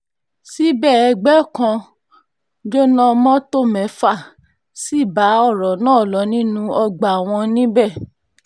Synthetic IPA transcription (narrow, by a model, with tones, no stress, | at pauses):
si˦bɛ˦˨ɛ˧ɡ͡bɛ˦˨kã˧ | d͡ʒo˦nã˦mɔ̃˦to˦˨mɛ̃˨˦fa˦˨ | si˦˨ba˨˦ɔ˦˨ɾɔ˨nãː˦˨lɔ˨˦nĩ˦nũ˦ɔ˧ɡ͡ba˨w̃ɔ̃˧nĩ˦bɛ˦˨